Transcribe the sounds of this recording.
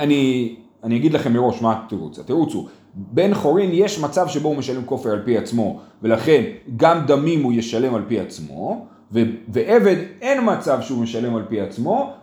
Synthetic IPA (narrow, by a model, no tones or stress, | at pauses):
ani | anijaɡid̪laχe̞mːeʁo̞ʃmat̪iʁṵt͡sat̪iʁut͡sṵ | be̞nχo̞ʁinje̞ʃmat͡savʃe̞boumeʃale̞mko̞feʁalpiat͡smo̞ve̞laχe̞nɡamd̪amimujeʃale̞malpiat͡smo̞ | veveʔe̞ve̞d̪e̞nmat͡savʃeume̞ʃale̞malpiat͡smo̞